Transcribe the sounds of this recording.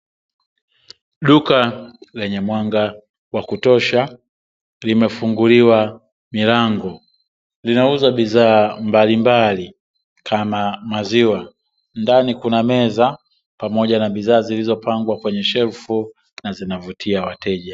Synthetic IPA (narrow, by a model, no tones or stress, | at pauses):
ɗukalɛɲɛmwaŋɡa | wakutɔʃa | limɛfuŋɡuliwa | milaŋɡɔ | linauzaɓizaːmbalimbali | kʰamamaziwa | ndanikunamɛza | pamɔʄanaɓizaːzilizɔpaŋɡwakwɛɲɛʃɛlfu | nazinavutʰiawatʰɛʄa